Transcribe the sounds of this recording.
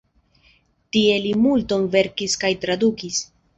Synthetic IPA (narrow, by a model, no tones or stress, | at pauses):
tie̞limulto̞nve̞ɾkiskajtɾadukis